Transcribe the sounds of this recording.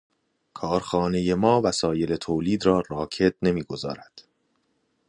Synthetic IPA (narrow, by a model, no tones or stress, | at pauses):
kʰɒːɾxɒːne̞je̞mɒːvæsɒːje̞let̪ʰoːliːd̪ɾɒːɾɒːcʰe̞t̪̚ne̞miːɡo̞zɒ̰ːɾæd̪̥